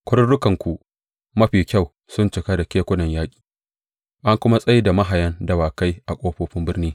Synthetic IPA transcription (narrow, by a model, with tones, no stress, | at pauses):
kʷʊ˦ɽʊ˦ɽʊ˦kɐ˨ŋkʷu˨ | mɐ˦ɸiː˨kʲa˦˨w | sʊ˦nt͡ʃɪ˨ka˦da˨kʲeː˦kʷʊ˦nɐ˨ɲjaː˦kʲʼi̥ː˨ | ʔa˦ŋkʷʊ˦ma˦sʼɐ˦ji˦da˨ma˦ɦa˨jɐ˦ndɐ˨waː˨ka˦jʔa˨kʷʼoː˦ɸoː˦ɸɪ˦mbɪ˦rniː˦